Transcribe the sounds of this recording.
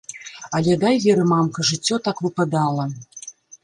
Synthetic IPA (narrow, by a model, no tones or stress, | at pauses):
alʲɛd̪ajvʲɛɾɨmamkɐʐɨt͡sʲːɔt̪akvɨpad̪alˠɐ